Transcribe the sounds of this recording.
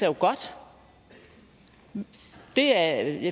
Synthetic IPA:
ɐjoɡ̥ɒ̽d̥ | d̥e̝æj

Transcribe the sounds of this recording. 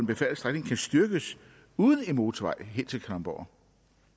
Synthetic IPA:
nb̥e̝fæl̩sd̥ʁaɡ̥ne̝ŋkʰænsd̥yɐɡ̥əs | uːðˠən̩e̝nmo̝ːt͡sʰʋɑ̈ɪ̰ɦe̝n̰t͡sʰe̝lkʰælɑmb̥ɒ̰ɐ

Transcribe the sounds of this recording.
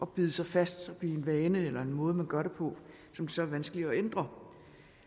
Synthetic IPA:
ʔɒ̽b̥ið̞ˠəsɑ̈ɪfæsd̥sɒb̥ienʋɛːnəelɐe̝nmɔ̽ːð̞̩ˠmænɡ̥ɶɐɾepʰɒ̽ | sɒ̽md̥e̝sɒ̽æɐʋænsɡ̥əliɒend̥ʁɐ

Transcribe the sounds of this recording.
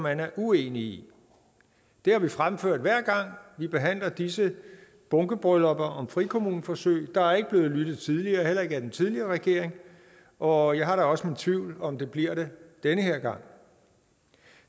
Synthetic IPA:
mːænæɐʔueːnii | d̥e̝hɑ̈ʋifʁamføɐ̰d̥ʋæɐ̰ɡ̥ɑ̈ŋ̰ʋib̥e̝ɦæn̰lɐd̥isə | b̥ɔ̽ŋɡ̥əb̥ʁœlɒ̽b̥ɐʔɒ̽mfʁikʰo̝muːnəfɒ̽sø̰ːɪd̥ɑ̈æɐeɡ̥əb̥le̝ːð̩ˠlyd̥ð̞̩ˠt͡sʰiðˠliɐːɦel̰ɐe̝ɡ̥əæd̥ent͡sʰiðˠliɐːʁɛɡ̥e̝ɐ̰e̝ŋ | ʔɒ̽jɑ̈ɪɦɑ̈ɾɑ̈ɒ̽səmint͡sʰʋiʊ̰lɒ̽md̥e̝b̥liɐ̰ɾ̥ed̥enəɦeɐ̰ɡ̥ɑ̈ŋ̰

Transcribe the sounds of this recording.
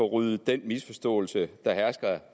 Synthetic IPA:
ɒʁyð̩ˠd̥enmisfɒ̽sd̥ɔ̰̽ːlsəd̥ɑ̈hæɐsɡ̥ɐ

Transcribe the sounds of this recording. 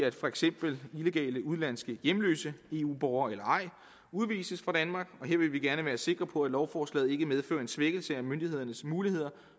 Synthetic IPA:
æd̥fɒ̽eɡ̥sem̰b̥l̩ile̝ɡ̥ɛ̰ːləuð̞ˠlæn̰sɡ̥əjemlø̰ːsəe̝ṵːb̥ɒʊɐelɐɑ̈ɪ̰ | uð̞ˠʋḭːsəsfʁɑ̈d̥ænmɑ̈ːɡ̥ɒ̽ɦe̝ɐ̰ʋe̝lʋiɡ̥æɐnəʋæːɐse̝ɡ̥ʁɐpʰɒ̽æd̥lɒʊfɒːslɛ̰ːð̩ˠe̝ɡ̥əmeð̞ˠfø̰ːɐe̝nsʋeɡ̥l̩səæmønd̥ihe̝ð̰ˠɐnəsmuːlihe̝ð̞̰ˠɐ

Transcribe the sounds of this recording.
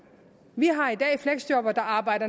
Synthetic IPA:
ʋiɦɑ̈id̥ɛ̰ːfleɡ̥sd̥jɔb̥ɐd̥ɑ̈ɑ̈ːb̥ɑ̈ɪ̰d̥ɐ

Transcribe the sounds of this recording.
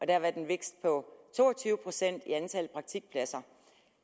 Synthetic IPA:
ʔɒ̽d̥æɐʋæd̥enʋeɡ̥sd̥̚pʰɒ̽t͡sʰo̝̰ːɒt͡sʰyːʊəpʰʁo̝sen̰d̥iænt͡sʰælpʰʁɑ̈ɡ̥̚t͡sʰiɡ̥̚pʰlæsɐ

